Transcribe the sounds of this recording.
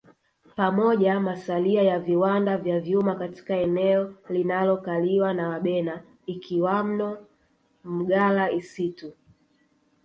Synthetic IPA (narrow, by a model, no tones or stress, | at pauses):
pamɔʄamasaliajaviwandavjavjumakati̥kaɛnɛɔlinalɔkaliwanawaɓɛna | ikʰiwam̩nɔ | m̩ɠalaisitu